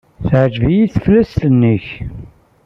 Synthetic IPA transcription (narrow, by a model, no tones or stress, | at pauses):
θʕd͡ʒvijiθflæst̪ənːiç